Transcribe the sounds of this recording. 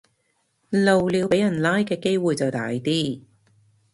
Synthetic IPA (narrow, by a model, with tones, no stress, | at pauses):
lo˨wliː˨˧wpe˨˥jɐ˨˩nlaː˥jkɛː˧ke˥jwuː˨jt͡sɐ˨wt̪aː˨˥jt̪iː˥